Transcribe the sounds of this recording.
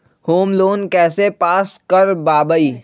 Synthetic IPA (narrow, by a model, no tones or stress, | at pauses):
hoːmloːnkɛːsepaːskɐɾbaːbəiː